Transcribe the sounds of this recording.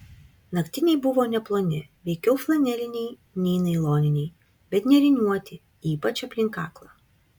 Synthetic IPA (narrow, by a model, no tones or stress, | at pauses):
nɐkt̪ʲɪnʲɛɪbʊʋoːnʲɛplˠoːnʲɪʋʲɛɪkʲɛʊflˠɐnʲɛlʲɪnʲɛɪ | nʲɛːnɐɪlˠoːnʲɪnʲɛɪ | bʲɛt̪nʲɛɾʲɪnʲuɔt̪ʲɪ | iːpɐt͡ʃɐpʲlʲɪŋkɑːklˠɑː